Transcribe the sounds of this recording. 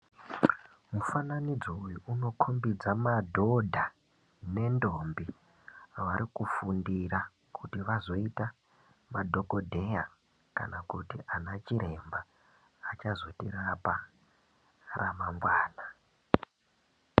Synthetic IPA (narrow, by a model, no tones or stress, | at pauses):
mufananid͡zoujuuno̞kʰombid͡zamadʱo̞dʱa | ne̞ndombi | ʋaɾikufundira | kʰutiʋazo̞ita | madʱo̞kodʱe̞ja | ka̰nakutiʔanat͡ʃiɾe̞mbaː | t͡ʃazo̞tirapa | ramaŋɡwaːna